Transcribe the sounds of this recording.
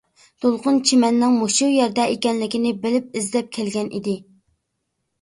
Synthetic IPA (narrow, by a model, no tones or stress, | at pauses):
d̪̥olˠqʊnt͡ʃʰimɛnːɪŋmoʃujɛɾd̪ɛekʲɛnlɪkʲinɪbɪlɪp̚izlɛp̚kʲʰɛlɡʲɛnʔḭd̪ɪ